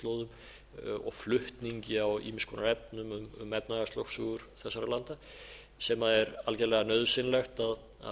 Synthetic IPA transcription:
t̪lowðʏm | ɔ̰ɣflʏht̪niɲcɪawḭːmɪskʰɔːnaɾɛpnʏmʏmʏ̰mɛp̚naɣast̪owksʏɣʏɾ̥θɛsːaɾalant̪a | sɛmaðɛɾalcɛɾlɛɣanœðsɪnlɛxt̪að | a̰

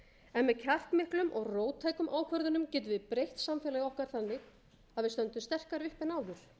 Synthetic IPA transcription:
ɛnmɛðcʰar̥kmɪhklʏmʔɔɣroːwt̪ʰaːjkʏmʔaːwkʰvœɾðʏnʏmcɛːt̪̬ʏvɪpɾejht̪samfɛːlajɪɔhkaɾ̥θanːɪɣ | aðvɪst̪œnt̪ʏmst̪ɛr̥kaɾvɪhpɪnaːwðʏɾ̥

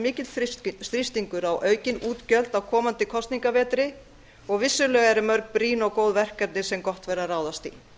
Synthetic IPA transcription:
mɪːcɪt̪θsθɾɪst̪iŋkʏɾawʔœːɥcɪnuːt̪cœl̥t̪awkʰɔːmant̪ɪkʰɔst̪niŋkavɛːt̪ɾɪ | ɔɣvɪsːʏlœːɣaɾɪmœɾk̚pɾiːnɔɣkoːwðvɛr̥kat̪nɪsɛmkɔht̪vɛɾaraːwðast̪ḭ

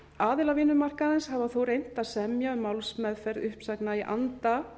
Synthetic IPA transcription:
aːðɪlavɪːnʏmar̥kaðɛnshavaθowɾejn̥t̪aðsɛmjaʏmːawlsmɛðfɛɾðʏhpsaknaiʔa̰nt̪a

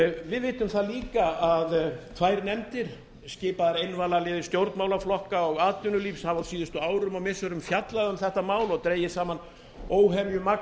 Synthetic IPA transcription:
vɪðvɪːt̪ʏmθaðliːkaaðt̪ʰvaːjɾnɛmt̪ɪɾ̥ | scɪːpaðaɾejnvaːlalɪːðɪ̥st̪jowɾt̪mawlaflɔhkaɔɣaːt̪ʏnʏliːfshavasiːðʏst̪ʏaːwɾʏmaɣmɪsœɾʏmfjat̪laðʏmθɛht̪amaːwlɔt̪ɾeːjɪsaːman | oːwɦɛvjʏma

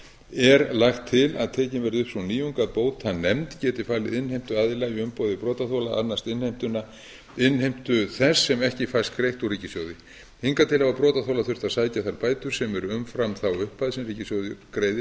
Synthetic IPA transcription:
ɛɾlaxt̪ʰːɪla̰ðt̪ʰɛːcɪnvɛɾðʏhpsniːjuŋkaðpoːwt̪hannːɛmt̪cɛːt̪ɪfaːlɪðɪnhejm̥t̪ʏaːðɪlajɪʏmpoːwðɪpɾɔːt̪aθowlaa̰nːast̪ɪnhejm̥t̪ʏnːa | ɪnːhejm̥t̪ʏθɛsːɛmɛhcɪfajst̪kɾejht̪uriːcɪsjowðɪ | hiŋkat̪ʰɪlhavapɾɔːt̪aθowlaθʏr̥t̪asaːjcaθaɾpaːjt̪ʏɾ̥sɛmɛɾʏʏmfɾamθawʏhpːaðɪsɛmriːcɪsjowðɪkɾejðɪ

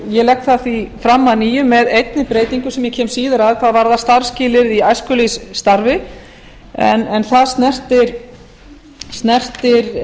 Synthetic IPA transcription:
jɛlɛhk̚t̪θaθifɾamːaðniːjʏmːɛðejt̪nɪpɾeːjt̪iŋkʏsɛmjɛcʰɛːmsiːðaɾaðkʰvaðvaɾðast̪aɾscɪːlɪɾðiajskʏlisːt̪aɾvɪ | ɛ̰nɛnθaðst̪nɛr̥t̪ɪɾ | st̪nɛr̥t̪ɪɾ

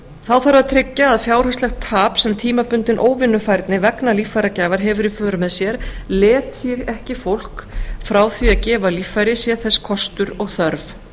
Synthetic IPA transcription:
θaðfaɾaðt̪ʰɾɪcːaːðfjaːwɾ̥ast̪lɛxt̪ʰːaːpsɛmt̪ʰiːmapʏnt̪ɪnʔoːwvɪnːʏfajɾt̪nɪvɛknalifːajɾacajvaɾɦɛvʏɾɪfœːɾʏmɛðsjɛɾ̥lɛːt̪iɾɛhcɪfowl̥kfɾaːwθviaðcɛːvaliːfajɾɪsjɛθɛskʰɔst̪ʏɾɔɣθœɾv

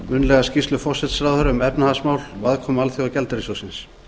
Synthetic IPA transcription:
mʏnlɛɣascist̪ʏfɔr̥sɛt̪sɾaðœɾʏmɛpnahasmaːwlvaðkʰɔːmalθjɔacɛlt̪aɾisosɪns

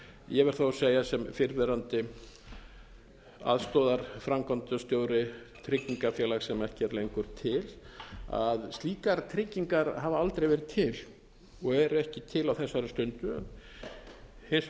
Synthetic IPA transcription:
jɛvɛɾ̥θowseːjasɛmfɪɾvɛɾant̪ɪ | a̰ðst̪ɔːðaɾ̥fɾamkʰant̪ʏst̪joːwɾɪ | t̪ʰɾɪcːiŋkafjɛːlaxsɛmɛhcɪɛɾlejŋkʏɾ̥t̪ʰɪla̰ðst̪liːkaɾt̪ʰɾɪcːiŋkaɾɦavaalt̪ɾejvɛːɾɪt̪ʰɪl | ɔɣɛɾɛhcɪt̪ʰɪlawθɛsːaɾʏst̪ʏnt̪ʏœ̰n | hɪs

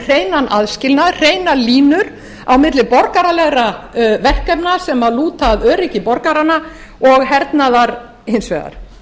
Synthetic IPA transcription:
r̥eːjnanʔaðscɪlnaðr̥eːjnaliːnʏɾ | awmɪt̪lɪpɔɾkaɾalɛɣɾavɛr̥kɛpnasɛmaðluːt̪aðœːɾɪcɪpɔɾkaɾanːa | ɔɣɦɛɾt̪naðaɾ | hejnsvɛ̰ːða̰ɾ̥

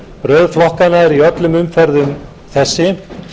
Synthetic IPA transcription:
ɾœːðflɔhkanaɛɾiœt̪lʏmʏmfɛɾðʏm | θɛsːɪ

